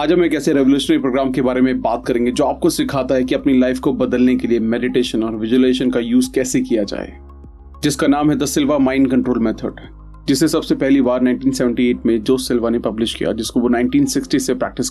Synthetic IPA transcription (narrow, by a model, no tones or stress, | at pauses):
aːd͡ʒɐbmɛ̃kɛːseɾɛʋoljuːʃənəɾipɾoːɡɾaːmkebaːɾemẽbaːt̪̚kɐɾẽːŋɡed͡ʒoːaːp̚kosɪkʰaːt̪aɦɛkiɐpnilaɪfkobɐd̪əlnekeliemɛːɖɪʈeːʃənɔːɾʋɪd͡ʒuleːʃənkajuːzkɛːsekijad͡ʒa̰ːḛ | d͡ʒɪskanaːmɦɛd̪ɐsɪlʋamãːɪnkɐ̃ɳʈɾoːlmɛːt̪ʰəɖ | d͡ʒɪsesɐbsepɛɦlibaːɾnãɪ̃ɳʈiːnsɛʋə̃ɳʈieːʈmẽd͡ʒoːsɪlʋanepɐblɪʃkḭja̰d͡ʒɪskoʋonãːɪ̃ɳʈiːnsɪksʈisepɾɛ̰ːk̚ʈɪs